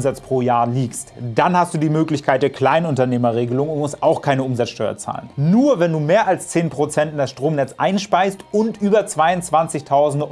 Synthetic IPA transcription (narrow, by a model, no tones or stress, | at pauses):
mzat͡spʁ̥oːjaːɐliːkstd̥anhast̚d̥uːdiːmøːklɪçkʰaɪt̚d̥eːɐkʰl̥aɪnʊntɐneːmɐʁeːɡəlʊŋʊntmʊstʔaʊxkʰaɪnəʔʊmzat͡sʃtɔʏɐ̰t͡sa̰ːlənnuːɐvɛnduːmeːɐʔalst͡seːnpʁ̥ot͡sɛntɪndasʃtʁ̥oːmnɛt͡sʔaɪnʃpaɪstʊntʔyːbɐt͡sv̥aɪʊnt͡sv̥ant͡sɪçtʰaʊzn̩d